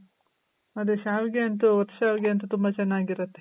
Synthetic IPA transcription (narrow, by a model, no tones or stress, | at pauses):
ɐd̪eʃaːʋiɡeɐnt̪̬uʋɐt̪ːʃaːʋiɡeɐnt̪ut̪umbɐt͡ʃɛnːaːɡiɾɐt̪ːe